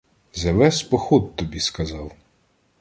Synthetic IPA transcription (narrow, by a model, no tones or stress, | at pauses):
zɐʋɛspɔxɔt̪̚t̪ɔbʲiskɐzɑw